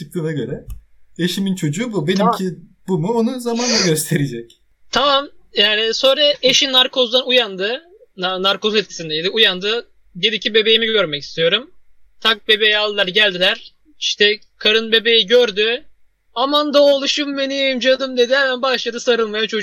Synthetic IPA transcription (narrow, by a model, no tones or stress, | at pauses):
t͡ʃʰɯk̚t̪ɯːnaɟø̞ɾɛeʃimint͡ʃʰo̞d͡ʒuːbube̞nimkʰi | bumuonuzamand̪ˠaɡø̞st̪ʰe̞ɾid͡ʒɛc | t̪ʰamamjæːniso̞nɾaeʃinaɾkʰo̞zd̪ˠanujand̪ɯ | naɾko̞zet̪̚cʰi̥sind̪ɛjd̪iujand̪ɯ | d̪e̞d̪icʰibe̞be̞jimiɟø̞ɾmɛci̥st̪ʰijo̞ɾum | t̪ʰak̚be̞be̞jalˠlˠaɾɟælʲd̪ilʲæɾ̥ | iʃt̪ʰɛ | kʰaɾɯnbe̞be̞jiɟøɾd̪y | amand̪aolˠuʃumbenijajmd͡ʒad̪ɯmd̪e̞d̪ihɛmænbaʃlˠad̪ɯsaɾɯlˠmajat͡ʃʰo̞